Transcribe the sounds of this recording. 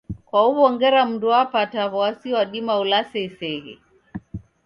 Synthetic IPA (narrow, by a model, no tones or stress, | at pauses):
kwauβɔŋɡɛɾam̩nduapataβɔasiwaɗimaulasɛisɛɣɛ̰